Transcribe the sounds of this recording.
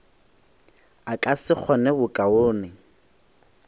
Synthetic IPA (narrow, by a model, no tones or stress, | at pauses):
akʼasɪk͡xʰɔnɛbʊkʼaʊːnɪ